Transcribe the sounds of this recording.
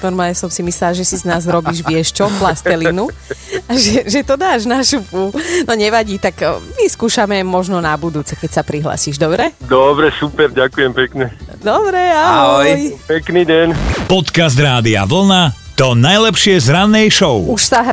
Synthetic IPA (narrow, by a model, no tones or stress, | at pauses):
nɔɾmaːlɲɛsɔmsimisɛlaʒɛsiznaːzɾɔbiːʒʋɪɛʃt͡ʃɔplast̪ɛlinuaʒɛʒɛt̪ɔd̪aːʒnaʃupunɔɲɛʋaɟiːt̪akʋiskuːʃamɛmɔʒnɔnabud̪uːt͡sɛkɛcsapɾiɦla̰siːʒd̪ɔbɾɛd̪ɔbɾɛsupɛɾɟakujɛmpɛkɲɛd̪ɔbɾɛaɦɔjpɛkniːɟɛnpɔt̪kazd̪ɾaːd̪ia̰ʋl̩nat̪ɔnajlɛpʃɪɛzɾanːɛjʃɔʊuʃsaɦ